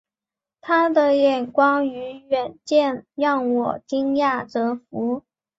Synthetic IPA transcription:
t̪ʰa˥d̪ə˨jɛ˨˩nkwɑ˥ŋy˧˥ɥɛ˨˩nt͡ɕjɛ˥˧njɑ˥˩ŋwɔ˨˩t͡ɕi˥ŋja˥˩t͡sɤ˧˥fu˧˥

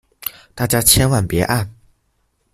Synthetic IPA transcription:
t̪a˥˩t͡ɕja˥t͡ɕʰjɛ˥nwa˥˩npjɛ˧˥ʔa˥˩n

